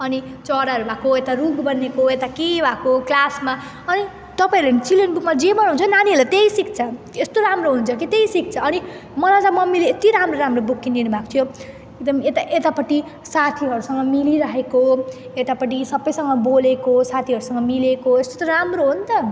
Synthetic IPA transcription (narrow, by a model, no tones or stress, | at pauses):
ʌnit͡sʌɾaɦʌɾubʱakoet̪aruɡbʌnekoet̪akebʱakoklasma | ʌni | t̪ʌpaĩɾlent͡silenbukmad͡zebʌnãɦunt͡sʰʌinaniɦʌlet̪ejsik̚t͡sʰʌ | est̪oɾamroɦunt͡sʰʌkit̪ejsik̚t͡sʰʌːni | mʌɾad͡zamʌmːileet̪iɾamroɾamrobukːind̪inubʱako̥t̪ʰjo | ek̚d̪ʌmet̪aʔet̪apʌʈi | sat̪ʰiɦʌɾusʌŋɡʌmiliɾʌɦekoet̪apʌʈ̬isʌbːʌjsʌŋɡʌbolekosat̪ʰiɦʌɾusʌŋɡʌmilekoest̪ot̪ʌramroɦunt̪ʌ